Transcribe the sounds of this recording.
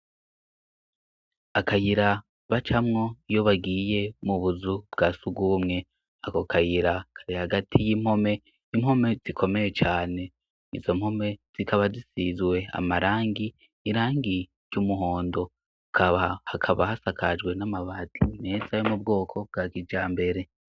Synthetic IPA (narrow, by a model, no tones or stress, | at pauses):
akajiɾa | βat͡ʃamŋo̞joβaɡiːje̞muβuzubɡasuɡɡumŋe̞ | ako̞kajiɾakʰḁɾihaɡatʰijim̥ho̞me̞ | imho̞me̞z̥ikʰo̞me̞je̞t͡ʃaːne̞ | izo̞m̥ho̞me̞z̥ikaβazisizwe̞a̰maɾaːŋɡiː | ɾaːŋɡiɾjumuɦo̞ːndo̞ | kʰaβhakʰaβahasakʰad͡ʒɡwe̞namaβatine̞zajomub̚ɡo̞ːkʰo̞b̚ɡakid͡ʒaːmbe̞ɾe̞